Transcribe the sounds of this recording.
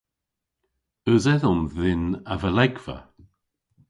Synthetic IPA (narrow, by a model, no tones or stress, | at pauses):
əzɛðɔmðɪnavəlɛɡv̥ə̰